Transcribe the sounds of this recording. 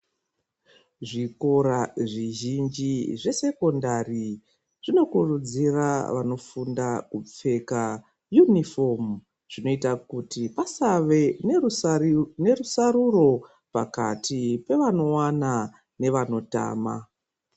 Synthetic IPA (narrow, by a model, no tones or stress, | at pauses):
ʐiko̞ɾaʐiʒind͡ʒiʐe̞se̞ko̞ndari | ʐ̥ino̞kurud͡ziraʋa̰no̞fundakup͡fe̞ka | junifo̞m | ʐ̥ino̞itakutipasaʋe̞n | ne̞rusaruro̞ | paka̰tʰipe̞ʋano̞wana | ne̞ʋano̞ta̰ːma̰